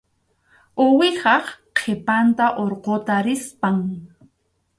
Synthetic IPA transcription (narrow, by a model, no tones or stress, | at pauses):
ʊwɪhɑχqʰepant̪aʔoɾqot̪aɾɪspaŋ